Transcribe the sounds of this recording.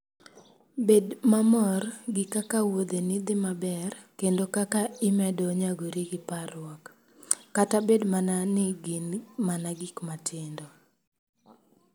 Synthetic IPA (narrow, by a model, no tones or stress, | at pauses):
bedmamɔrɡɪkakawod̪enɪd̪ɪmabɛrkendokakaɪmɛdɔɲaɡoɾiɡɪparʊwɔkː | atabedmananɪɡɪnmanaɡɪkmatʰɪndɔ